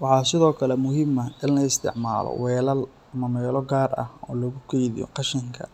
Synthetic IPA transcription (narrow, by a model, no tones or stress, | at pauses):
wɑħɑːsɪðɔːkʰɐlɛmʊɦɪmɐɪnlɐɪst̪ʰɪ̰ʕma̰ːlɔ̰wɛːlɐl | mɐmɛːlɔɡaːrɐ̰ɔ̰ːlɔɣʊkʰɛjðḭjɔ̰qɑʃɪŋkʰɐ̰